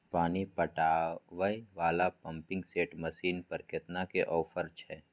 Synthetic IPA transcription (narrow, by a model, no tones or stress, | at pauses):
paːnipəʈaːʋəiʋaːlapɐ̃mpɪ̃ŋɡseːʈməsiːnpɐɾkɪt̪nakeʔɔːfʰəɾt͡ʃʰɛː